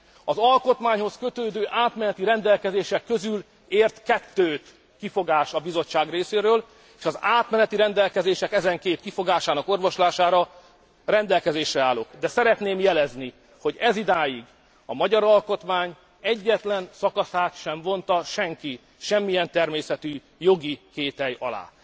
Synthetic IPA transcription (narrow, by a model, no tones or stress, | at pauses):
ɒzɒlko̞t̪maːɲho̞skø̞t̪øːd̪øːʔaːt̪mɛnɛt̪iɾɛnd̪ɛlkɛzeːʃɛkːø̞zyl | eːrt̪kɛt̪ːøːt̪ | kifo̞ɡaːʃɒbizo̞t͡ʃːaːɡreːseːɾøːl | eːʃɒzaːt̪mɛnɛt̪iɾɛnd̪ɛlkɛzeːʃɛkɛzɛŋkeːt̪kifo̞ɡaːʃaːnɒko̞rʋo̞ʃlaːʃaːɾɒ | rɛnd̪ɛlkɛzeːʃrɛaːlokd̪ɛsɛɾɛt̪neːmjɛlɛzni | ho̞ɟɛzid̪aːjiɡ | ɒmɒɟɒɾɒlko̞t̪maːɲ | ɛɟːɛt̪lɛnsɒkɒsaːt̪ʃɛɱvo̞nt̪ɒʃɛŋki | ʃɛmːijɛnt̪ɛrmeːsɛt̪y | jo̞ɡikeːt̪ɛjɒ̰la̰ː